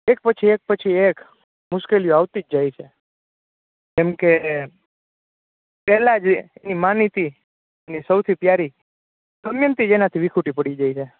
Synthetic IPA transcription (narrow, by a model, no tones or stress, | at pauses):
ek̚pət͡ʃʰiek̚pət͡ʃʰiek | mʊʃkelijoaʋt̪id͡ʒd͡ʒajt͡ʃʰe | d͡ʒemke | pɛɦlad͡ʒḛnimanit̪i | enisəwt̪ʰipjaɾi | səmjənt̪id͡ʒenat̪ʰiʋikʰuʈipəɽid͡ʒajt͡ʃʰe